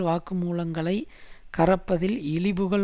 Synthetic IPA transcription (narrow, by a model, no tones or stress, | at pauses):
ʋaːkɯmuːlɐŋɡɐɭɐɪkɐrɐpːɐðɪlɪɭɪbɯɣɐɭ